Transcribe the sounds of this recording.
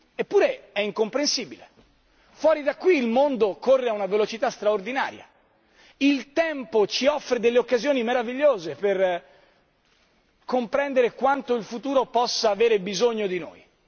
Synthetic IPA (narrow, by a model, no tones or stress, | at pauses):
epːuːɾeɛiŋkompɾensiːbile | fwɔːɾid̪akːwiːlmond̪okorːeaunavelot͡ʃit̪ast̪ɾaord̪ina̰ːɾja̰ | ilt̪ɛmpot͡ʃiɔfɾed̪elːeokːazjoːnimeɾaviʎːoːzeper | kompɾɛnd̪eɾekwant̪oilfut̪uːɾopɔsːaːveːɾebizoɲːod̪ino̰ːj